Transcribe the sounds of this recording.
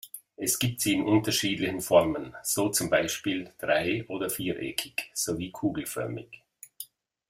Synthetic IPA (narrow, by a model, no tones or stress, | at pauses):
ʔɛsɡ̥iːp̚tz̥iːɪnʔʊntɐʃiːdlɪçn̩fɔʁmənz̥oːt͡sʊmbaɪʃpiːld̥ʁaɪʔoːdɐfiːʔɛ̰ːkʰɪkz̥oːviːkʰuːɡl̩fœ̰ɐmɪ̰ç